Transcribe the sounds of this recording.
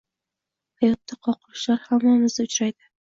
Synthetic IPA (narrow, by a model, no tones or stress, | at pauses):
hajɒt̪ːaqʰɒqʰʊɾɪʃlaɾhamːamɪzd̪aʊt͡ʃɾajd̪ɪ